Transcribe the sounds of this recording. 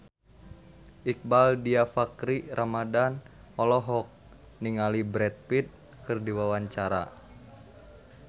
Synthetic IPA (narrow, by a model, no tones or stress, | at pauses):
ʔik̚baldiafakɾirʔamadan | ɔlɔɦɔk̚ | niŋalibɾɛt̪̚pit̪̚ | kɨrdiwawaɲt͡ʃaɾa̰